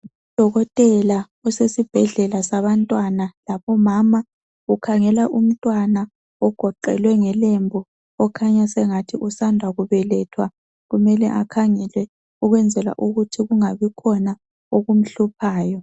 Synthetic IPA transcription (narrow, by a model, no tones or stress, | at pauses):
ud̥ʱɔɣɔtʼɛla | ɔsesib̥ʱɛɮɛlasaβantʼwanalaβɔmama | ɣukʰaŋɛlaʔum̩tʼwana | ɔɡ̥ʱɔǃɛ̰lwɛŋɛlembʱɔ | ɔkʰaɲasɛŋatʰiʔusandʱwaɣuβɛlɛtʰwa | ɣumɛlɛ̰ʔa̰kʰaŋɛlwɛ | uɣwɛnd͡zʱɛlwa̰ʔuɣutʰiɣuŋaβikʰɔna | oɣum̩ɬupʰaːjɔ